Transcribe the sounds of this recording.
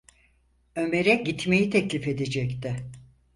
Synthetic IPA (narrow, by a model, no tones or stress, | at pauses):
ø̞me̞ɾɛɟit̪me̞jit̪ʰɛclʲife̞d̪ed͡ʒɛct̪ʰɪ